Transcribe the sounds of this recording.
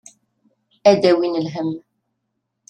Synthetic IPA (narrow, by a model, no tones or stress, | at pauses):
æd̪æwinəlɦəmː